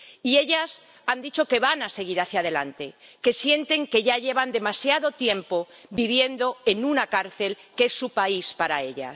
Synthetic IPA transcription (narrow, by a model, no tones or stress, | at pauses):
ie̞ʎas | and̪it͡ʃo̞ke̞βanase̞ɣ̞iɾaθjað̞e̞lant̪e̞ke̞sje̞nt̪e̞ŋke̞ʝaʎe̞βand̪e̞masjaðo̞t̪je̞mpo̞biβ̞je̞nd̪o̞e̞nunakaɾθe̞lkesːupaispaɾae̞ʎa̰